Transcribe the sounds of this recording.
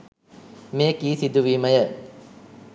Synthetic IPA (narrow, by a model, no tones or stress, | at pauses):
mejəkiːsid̪uʋiːməjə